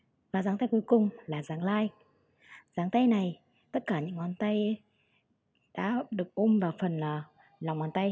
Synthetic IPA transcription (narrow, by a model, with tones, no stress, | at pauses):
vaː˨˩zaː˨˦ŋt̪a˧jku˨˦jkʊ˨˩ŋ͡mlaː˨˩zaː˨˦ŋlaː˧j | zaː˨˦ŋt̪a˧jna˨˩j | t̪ə˦˥t̚kaː˧˩ɲɨ̰˧˥ŋʔwaː˨˧˦nt̪a˧j | ɗa̰ː˧˥ɗɨ˨˩ək̚ʔo˧mvaː˨˩wfə˨˩nː˨˩ | la˨˩wŋ͡mwaː˧˩nt̪a˧j